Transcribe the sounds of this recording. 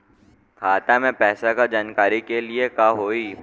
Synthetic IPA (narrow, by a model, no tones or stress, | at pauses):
kʰaːt̪amẽpɛːsakad͡ʒaːnkaːɾikeliekaɦoːiː